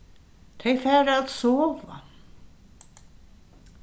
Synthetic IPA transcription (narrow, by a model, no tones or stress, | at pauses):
t̪ʰejfɛːɾaðsɔːva̰